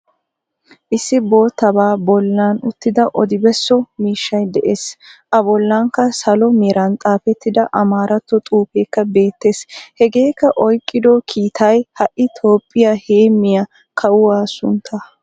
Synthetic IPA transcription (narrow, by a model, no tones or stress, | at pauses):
ʔɪsːɪbo̞ːt̪ːɐbaːbɔlːaːnʊt̪ːɪd̪ɐʔɔd̪ɪbɛsːɔmiːʃːɐjd̪ɛʔeːsʔɐbɔlːaŋkːɐsɐlɔmeːɾɐnt̪ʼaːfɛt̪ːɪd̪ɐʔɐmaːɾɐt̪ːɔt̪ʼuːpeːkːɐbe̞ːt̪ːe̞ːshɛɡe̞ːkːɐʔɔjkʼːɪd̪ɔkʰiːt̪ʰɐjhɐʔːɪt̪ʰo̞ːpʼːɪjaːheːmːɪjɐ | kʰɐwʊwaːsʊ̰nt̪ʰːaː